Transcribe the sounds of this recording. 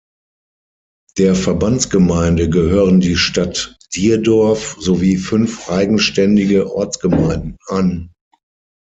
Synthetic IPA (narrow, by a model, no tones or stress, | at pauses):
d̥eːɐfɛɐbant͡sɡ̥əmaɪndəɡəhøːʁəndiːʃtat | d̥iːɐdɔɐfz̥oviːfʏnfʔaɪɡŋ̩ʃtɛndɪɡəʔɔ̰ɐt͡sɡ̥əmaɪndn̩an